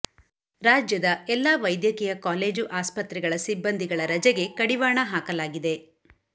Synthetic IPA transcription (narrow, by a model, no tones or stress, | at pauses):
ɾaːd͡ʒjɐd̪ɐɛlːaːʋɐjd̪jɐkijɐkaːle̞ːd͡ʒuʔaːspɐt̪ɾɛɡɐɭɐsibːɐnd̪ʱiɡɐɭɐɾɐd͡ʒɛɡe̞kɐɽiʋaːɳɐɦaːkɐlaːɡid̪e̞